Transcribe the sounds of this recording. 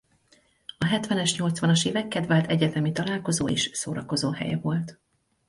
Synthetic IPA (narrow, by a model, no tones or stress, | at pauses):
ɒɦɛt̪ʋɛnɛʃɲo̞lt̪sʋɒnɒʃeːvɛkːɛd̪vaːlt̪ɛɟɛt̪ɛmit̪ɒlaːlko̞zoːḛːʃsoːɾɒko̞zoːɦɛ̰jɛ̰vo̞lt̪